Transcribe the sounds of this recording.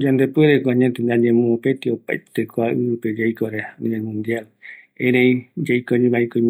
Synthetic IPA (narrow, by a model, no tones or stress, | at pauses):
d͡ʒand̪epweɾekoaɲẽt̪end̪aɲẽmũopet̪iopa̰jt̪ekoaʔɨɨped͡ʒajkoɾenĩβelmũnd̪jal | eɾẽĩd͡ʒajkoɲĩβaekoĩm